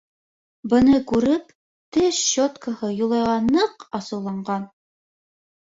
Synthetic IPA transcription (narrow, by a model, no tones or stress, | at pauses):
bɤ̆nɤkʉɾɘp | t̪ɘʃɕot̪kəhɤjŏlˠɑjʁɑnːɤqɑsɤ̆wlˠɑɴɢɑn